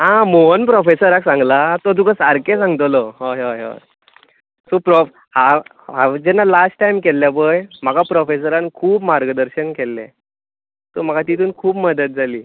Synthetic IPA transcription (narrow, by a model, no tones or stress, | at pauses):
ɦãmoɦənpɾɔfesəɾaksãŋɡlat̪ɔd̪̬ukasaɾkesãŋɡt̪lɔɦoɦoo̰ | sɔpɾɔ | ha | ɦad͡ʑɛnːalasʈːajmkɛlːjabəjm̤akapɾɔfes̬əɾãnkʰuːpmaɾɡəd̪əɾɕənkɛlːɛ̰̃ | t̪ɔm̤akat̪it̪uːnkʰuːpməd̪ət̪̚d͡zʱaliː